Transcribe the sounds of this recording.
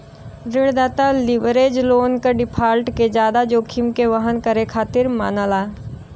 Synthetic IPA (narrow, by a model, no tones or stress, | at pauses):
ɾɪɽd̪aːt̪alɪʋɾeːd͡ʒloːnkaɖɪpʰaːlʈked͡ʒjaːd̪ad͡ʒoːkʰɪmkeʋɐɦənkɐɾekʰaːt̪ɪɾma̰ːnəlaː